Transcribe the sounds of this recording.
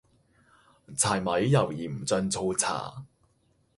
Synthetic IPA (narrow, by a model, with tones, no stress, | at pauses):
t͡sʰaː˨˩jmɐ˨˥jːɐ˨˩wjiː˨˩m̩˨˩t͡sœ˧nt͡sʰo˧wt͡sʰa̰ː˨˩